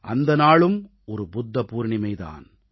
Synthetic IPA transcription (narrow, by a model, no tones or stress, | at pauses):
ʔɐnd̪ɐnaːɭɯm | ɔɾɯbʊd̪ːɐpuːɾɳɪmɐɪða̰ːn